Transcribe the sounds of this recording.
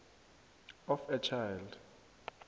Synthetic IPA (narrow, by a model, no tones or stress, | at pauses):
ɔfɛt͡ʃʰajld